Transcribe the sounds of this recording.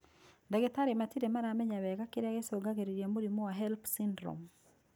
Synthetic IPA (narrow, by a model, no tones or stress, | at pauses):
ndaɣɛtaɾimatiɾemaɾamɛɲawɛɣakeɾeaɣesoɡaɣeɾeɾjamoɾimɔwaɦɛlpsindɾɔ̰m